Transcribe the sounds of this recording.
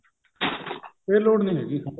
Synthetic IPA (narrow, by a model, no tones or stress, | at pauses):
eːloːɽnĩːɦɛːɡiːka